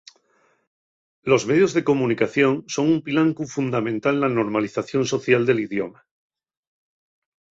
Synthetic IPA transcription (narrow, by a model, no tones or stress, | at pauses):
lo̞zme̞ð̞jo̞zðe̞ko̞munikaθjo̞ŋso̞ŋumpilaŋkufund̪amẽ̞nt̪alnano̞ɾmaliθaθjo̞nso̞θjald̪elið̞joma